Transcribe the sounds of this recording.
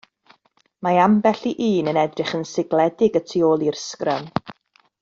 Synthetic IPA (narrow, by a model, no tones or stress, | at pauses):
maambɛɬiʔiːnənɛdrɪχənsɪɡlɛdɪɡətʰioːlˠirskrəm